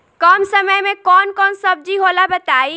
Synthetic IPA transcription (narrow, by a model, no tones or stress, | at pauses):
kɔmsəməjmekɔnkɔnsəb̚d͡ʒiɦolabət̪ai